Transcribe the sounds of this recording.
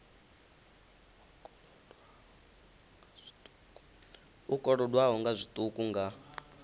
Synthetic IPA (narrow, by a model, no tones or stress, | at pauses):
ukʼɔɺɔdwaɦɔŋɡazʷit̪ʼukʼuŋɡa